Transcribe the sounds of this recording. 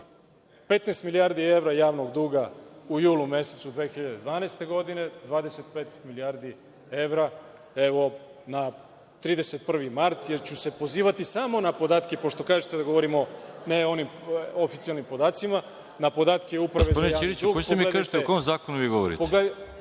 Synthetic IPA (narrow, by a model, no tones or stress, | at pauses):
pe̞t̪nest̪milijaɾd̪ie̞ʋɾajaːʋno̞ɡd̪uːɡaujuːlˠumje̞set̪sud̪ʋe̞xiʎad̪ed̪ʋaːnejst̪e̞ɡo̞d̪ine̞d̪ʋaːd̪e̞se̞t̪̚peːt̪miliaɾd̪i | e̞ʋɾa | e̞ʋo̞na | t̪ɾiːd̪ese̞t̪̚pr̩ʋimaɾt̪jeɾt͡ɕuse̞po̞ziːʋat̪isamo̞napo̞d̪aːt̪kepo̞ʃt̪o̞kaːʒet̪ed̪aɡoʋoɾimo̞neo̞nimofit̪sialnimpo̞d̪aːt̪sima | napo̞d̪aːt̪keupɾaeod̪inaiɾiuːɡeemiekaʒit̪eokoomzaːkonuʋiːɡoʋoɾḭtpoɡle